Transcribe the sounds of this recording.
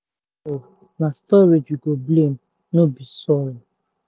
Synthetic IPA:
o | nastɔɾed͡ʒwiɡoblem̩ | nobisɔɾi

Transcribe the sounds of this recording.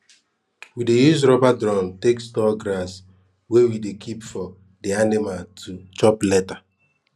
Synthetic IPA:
widejuzɾɔbadɾɔ̃ntekstɔɡɾas | wewidekʰipfɔ | dianimaltʰut͡ʃɔplɛta

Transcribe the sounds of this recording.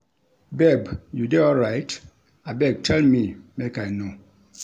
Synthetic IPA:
bɛbjudeɔlɹaɪt | abɛɡ̚tʰɛlmimekajno

